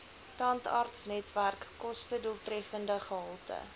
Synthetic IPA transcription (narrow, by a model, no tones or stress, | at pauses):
tɑntɑ̰rtsnɛtværkːɔstəduəlˠtrɛfəndəχəɦəlˠtə̰